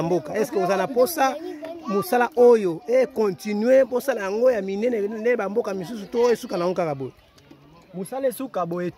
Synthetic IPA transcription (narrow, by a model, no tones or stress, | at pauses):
mbokaɛskeozanaposamosalaʔojoekɔ̃tinɥebosalajaŋɡojaminɛnendebambokamis̬usutojosukanawukakaboe | mosalesukaboje